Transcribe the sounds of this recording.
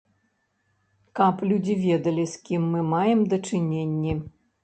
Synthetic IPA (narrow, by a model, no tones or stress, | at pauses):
kɐplʲud͡zʲivʲɛd̪ɐlʲiskʲimːɨmajɛmd̪ɐt͡ʂɨnʲenʲːi